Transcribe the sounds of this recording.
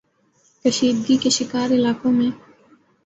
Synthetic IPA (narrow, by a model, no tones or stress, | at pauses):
kəʃiːd̪̚ɡikeʃɪkaːɾɪlaːkõmẽ